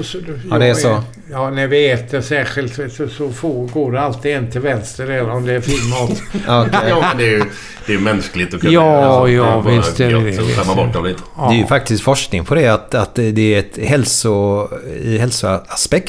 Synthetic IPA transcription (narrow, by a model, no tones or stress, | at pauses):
sɔd̪ad̪ɛːsɔ | jɑːnæɾvɪɛːt̪əɾʂæːɧɪlt̪ɪsɔsɔfoːɡoːɖɛalt̪ɪɛnt̪ʰɪlvɛnst̪əɾɛlːəɾɔmd̪ɛæɾfɪɾmɑːt̪akʰɛɛnd̪ɛj | d̪̥ɛjmɛnsklɪɡt̪ɔkʰɑːjɑːvɪst̪ɛɛɛ̰amːabɔʈːɔvlɪt̪d̪ɛæɾjɵfak̚t̪ɪst̪fɔʂknɪŋpʰɔd̪ɛat̪at̪d̪ɛæɾɛt̪hɛlsʊ | ɪɦɛlsʊaaspɛkt̪